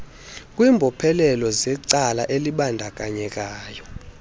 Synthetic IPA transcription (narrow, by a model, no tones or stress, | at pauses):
kʼwiːmbʱɔpʰɛlɛlɔzɛǀalaʔeliɓandʱak̬ʼaɲɛk̬ʼaːjɔ